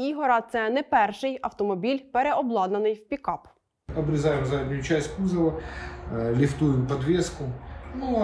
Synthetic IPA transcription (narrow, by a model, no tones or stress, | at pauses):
iɦɔɾɑt̪sɛnɛpɛrʃɪjɐwt̪ɔmɔbʲilʲpeɾeɔblˠɑd̪nɐnɪjwpʲikɑp | ɐbɾʲɪzɑjɪmzadʲnʲʊjʊt͡ʃæsʲtʲkuzɐʋɐ | lʲɪft̪ujʊpɐd̪ʋʲeskʊnu